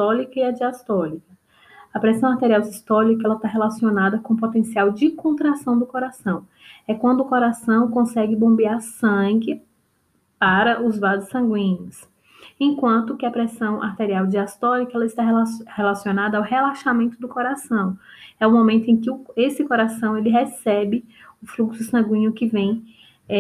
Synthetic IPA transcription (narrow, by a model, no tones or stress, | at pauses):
st̪ɔlikɐiɐd͡ʒiast̪ɔlikɐ | ɐpɾɛsɐ̃w̃aɾt̪eɾiawd͡ʒist̪ɔlikɐɛlɐt̪aɦelasionad̪ɐkõpot̪ẽsiawd͡ʒɪkõnt̪ɾasɐ̃w̃d̪ʊkoɾasɐ̃w̃ | ɛkwɐ̃nd̪ʊːkoɾasɐ̃w̃kõsɛɡɪbõmbiaɾsɐ̃ɡɪ | paɾɐʔʊzvazɪsɐ̃ŋɡwĩɲʊs | ẽkwɐ̃nt̪ʊkɪɐpɾɛsɐ̃w̃ʔa̰ɾt̪eɾiawd͡ʒiast̪ɔ̃ɾikɐɛlɐɪst̪aɦɛahelasionad̪ɐːwɦelaʃamẽnt̪ʊd̪ʊkoɾasɐ̃w̃ɛʊmomẽnt̪ʊẽj̃kɪʊesɪkoɾasɐ̃w̃elɪɦɛsɛbɪ | ʊfluksʊsɐ̃ɡwĩɲʊkɪvẽj̃